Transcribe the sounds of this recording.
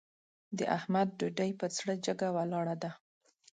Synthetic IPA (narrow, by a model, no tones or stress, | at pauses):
d̪əʔahmad̪̚ɖuɖajpət͡sɽəd͡ʒəɡawalɑɽad̪a